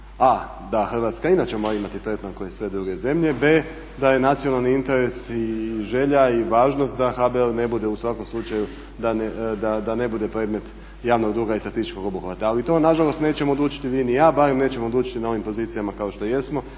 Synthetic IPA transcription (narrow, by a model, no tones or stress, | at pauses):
a | d̪axr̩ʋat̪skainat͡ɕemoɾaimat̪it̪ɾet̪naŋkojesʋe̞d̪ɾuɡe̞ze̞mʎe̞be̞ | d̪aje̞nat̪sijo̞nalˠniint̪e̞ɾe̞siʒe̞ʎaiʋaːʒno̞st̪̚d̪axabeelne̞bud̪e̞usʋako̞mslˠut͡ʃaju | d̪aned̪ad̪ane̞bud̪e̞pɾe̞ːd̪me̞t̪ | jaːʋnoɡd̪ɾuːɡaist̪ɾat̪ist̪it͡ʃko̞ɡo̞buxʋat̪aːlit̪o̞naʒalˠo̞st̪ne̞ːt͡ɕe̞mod̪luːt͡ʃi̥t̪iʋiːnijaːbaɾe̞mne̞ːt͡ɕemood̪luːt͡ʃi̥t̪inao̞ʋimpo̞ziːt̪sijamakao̞ʃt̪o̞je̞smo̞